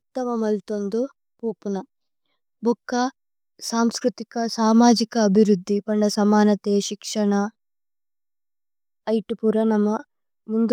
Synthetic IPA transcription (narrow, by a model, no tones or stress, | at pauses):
ut̪ːɐmɐmɐlt̪ond̪u | puːpunɐ | bʱɔkːɐ | saːmskɾut̪ikɐsaːmaːd͡ʒikɐːbʱiɾud̪ʱːipɐɳɖɐsɐmaːnɐt̪eːʃikʂɐɳɐ | jʈipuɾɐnɐmːɐ | mund̪